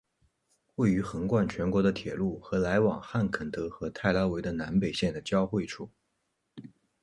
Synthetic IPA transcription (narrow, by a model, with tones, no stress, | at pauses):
kwe˥˩ɪy˧˥xə˧˥ŋkwa˥˩nt͡ɕʰɥɛ˧˥nkwɔ˧˥d̪ə˧t̪ʰjɛ˨˩lu˥˩xɤ˧˥la˧˥ɪwɑ˨˩ŋxa˥˩nkʰə˨˩nt̪ɤ˧˥xɤ˧˥t̪ʰa˥˩ɪlɑ˧˥ʊwe˧˥ɪd̪ə˧na˧˥npe˨˩ɪɕjɛ˥˩nd̪ə˩t͡ɕjɑ˥ʊxwe˥˩ɪʈ͡ʂʰu˨˩˦